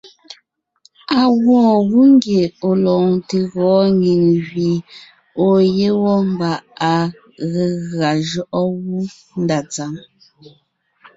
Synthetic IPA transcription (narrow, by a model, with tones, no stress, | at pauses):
a˨ɣwɔ̃ː˦˨ɣu˦ŋ˦ɡje˨o˨lɔ˨ŋte˨ɣɔː˨˦ɲi˨ŋɣɥi˨ | o˨je˦wɔ˦m˦ba˨ʔa˨ | ɣe˨ɣɰa˨ʒɔ˦ʔɔ˦ɣu˦ | n˦da˨t͡sa˨˦m